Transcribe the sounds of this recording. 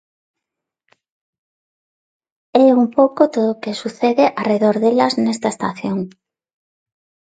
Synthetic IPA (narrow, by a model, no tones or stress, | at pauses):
ɛumpowkot̪oðokesuθeðeʔareðoɾðelɐznest̪ɐest̪aθjoŋ